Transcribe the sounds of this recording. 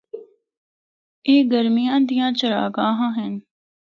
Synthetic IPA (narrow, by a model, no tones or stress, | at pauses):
eːɡəɾmijãːd̪ijãːt͡ʃəɾa̰ːɡãːɦãːɦɛn